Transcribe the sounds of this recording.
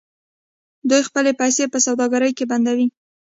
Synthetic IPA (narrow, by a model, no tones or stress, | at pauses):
d̪ujxpəlepajsepəsawd̪ɑɡaɾəjkeband̪awi